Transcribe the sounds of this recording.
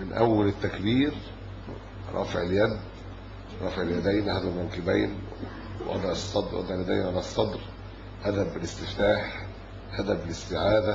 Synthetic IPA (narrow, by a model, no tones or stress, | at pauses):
mɪnʔæwːælɪt̪ːækbiːɾ | ɾˤʔɑ̰ːfeʕeljæd̪ | ɾˤɑ̰ːfeʕeljæd̪æjnhæd̪æbɾɑnkɪbæjn | wʔɑ̰d̪ˤɑʕɑsˤːɑd̪ˤɾwʔɑ̰d̪ˤɑʕljæd̪æ̰jnʕalæsˤːɑd̪ɾ | hæd̪æbɪlɪst̪ɪft̪aːħ | hæd̪æbɪlɪst̪ɪʕaːd̪æ